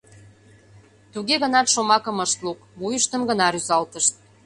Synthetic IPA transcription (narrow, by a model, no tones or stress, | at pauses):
t̪uɣeɣə̆nɑt̪ʃomɑkə̆məʃt̪lukβujəʃt̪əmɡə̆nɑɾyzɑlt̪əʃt̪̚